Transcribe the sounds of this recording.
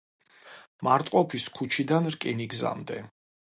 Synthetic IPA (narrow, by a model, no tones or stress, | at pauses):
maɾt̪ʼqʼɔpʰiskʰut͡ʃʰid̪anɾkʼiniɡza̰md̪ɛ